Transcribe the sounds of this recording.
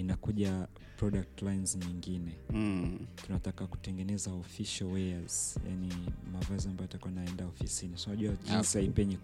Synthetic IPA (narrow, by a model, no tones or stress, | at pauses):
inakuʄa | pɾɔɗak̚tlajnzɲiŋɡinɛ | tunatakaku̥tɛŋɡɛnɛzaɔfiʃalwɛaz̥ja̰nimavaziambajɔatakuainaɛndaɔfisiniasanaʄuad͡ʒinsiaipɛɲi